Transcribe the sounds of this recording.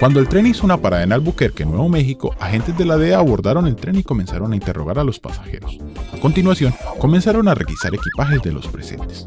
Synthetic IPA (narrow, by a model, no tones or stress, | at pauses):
kwand̪oe̞lt̪ɾe̞nisounapaɾaðenaːlbukeɾke̞nwe̞βo̞me̞xiko̞axe̞nt̪ezd̪e̞lað̞e̞aːβo̞ɾd̪aɾo̞ne̞lt̪ɾe̞niko̞me̞nsaɾo̞naint̪e̞rʔo̞̰ɣaɾalo̞spa̰sḁxe̞̰ɾo̞sako̞nt̪inwasjo̞ŋko̞me̞nsaɾo̞nare̞̰ɣisaɾe̞kipaxe̞zd̪e̞̰lo̞̰spɾese̞̰nt̪e̥s